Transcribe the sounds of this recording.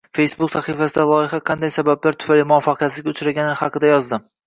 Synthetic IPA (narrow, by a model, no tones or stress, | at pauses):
fe̞jsbʊksaχifasɪd̪alˠɒjɪχɑqʰɑnd̪ajsabablaɾt̪ʰʊ̥falɪmʊɒfːɑqʰjat̪lɪɡʲʊt͡ʃɾaɡʲanɪhɑqɨd̪ajɒzd̪ɪm